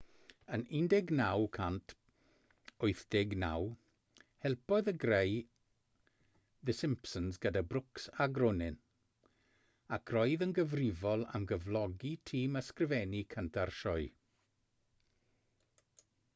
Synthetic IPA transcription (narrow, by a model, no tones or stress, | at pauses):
ənɪndɛɡnawkʰantʰ | ʊɨθd̥ɪɡna̰w | hɛlˠpɔɨðəɡrej | ðəsɪmpsənzɡədabrʊksaɡrʊnɪn | akʰrɔjðənɡəvrɪvɔlˠa̰mɡəvlˠɔɡitʰiːməskrɪvɛnikʰəntʰarʃɔɨ